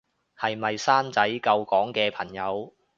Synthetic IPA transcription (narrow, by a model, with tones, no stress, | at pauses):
hɐ˨jmɐ˨jsaː˥nt͡sɐ˨˥jkɐ˧wkɔː˨˥ŋkɛː˧pʰɐ˨˩ŋjɐ˨˧w